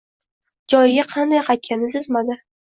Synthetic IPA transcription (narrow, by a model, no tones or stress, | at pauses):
d͡ʒɒjɪɡʲaqʰɑnd̪ajqɑkʲʰːanɪsɪzmad̪ɪ